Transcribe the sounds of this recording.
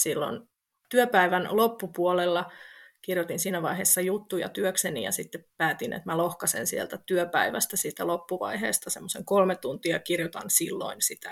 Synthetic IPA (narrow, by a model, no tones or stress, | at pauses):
silːo̰n | t̪yøpæiʋænlopːupuolelːɑkirjot̪insiːnæʋɑiɦeːsːɑjut̪ːujɑ̰t̪yøksenḭjɑ̰sit̪ːeppæːt̪inʔḛt̪mælohkɑsḛnsielt̪æt̪yøpæiʋæst̪æsiːt̪ælopːuʋɑ̰iɦḛːst̪ɑsemːoseŋkolmet̪unt̪iɑkirjot̪ɑ̰nsilːo̰insit̪æ